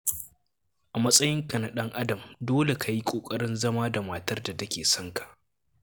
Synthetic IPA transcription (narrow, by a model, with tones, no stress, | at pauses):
ʔa˨mɐ˦sʼɐ˦jɪ˦ŋkɐ˨na˨ɗɐ˦ŋʔa˦dɐ˨mdoː˦le˨kʰa˨ji˦kʷʼoː˨kʼɐ˦ɾɪ˦nzɐ˦maː˦da˨maː˨tɐ˦rda˨tɐ˦kʲeː˨sɔ˦ŋkḁ˨ʔ